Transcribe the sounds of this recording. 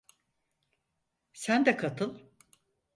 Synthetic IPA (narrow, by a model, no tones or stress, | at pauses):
sænd̪ɛkʰat̪ʰɯlˠ